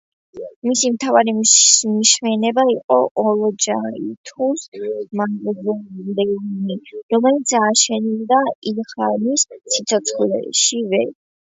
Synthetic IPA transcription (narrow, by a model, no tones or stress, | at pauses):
misimt̪ʰavaɾimiʃmɛnɛbaiqʼɔʔɔlɔd͡ʒait̪ʰusmaɡɔzɛd̪ɛniɾɔmɛlit̪saːʃɛnild̪aiχanissit̪sʰɔt̪sʰχlɛ̰ʃivɛɾ